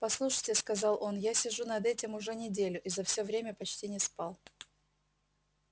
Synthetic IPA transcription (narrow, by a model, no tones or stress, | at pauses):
pɐslˠuʂəjtʲɪskɐzɑlˠʔo̞njasʲɪʐunɐd̪ɛtʲɪmʊʐɛnʲɪdʲelʲʊʔizɐfsʲovɾʲemʲəpɐt͡ɕtʲinʲɪspɑlˠ